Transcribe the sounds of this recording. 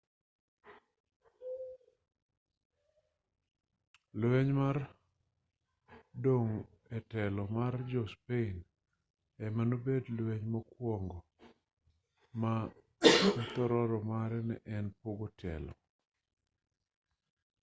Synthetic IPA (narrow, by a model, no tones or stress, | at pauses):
lwɛɲmar | doŋ | ɛtɛlɔmard͡ʒɔspein | ɛmanobedlweɲmɔkwɔŋɡɔ | ma | nt̪ɔɾɔɾɔmaɾɛnɛ̰ʔɛnpoɡotʰɛ̰lɔ̰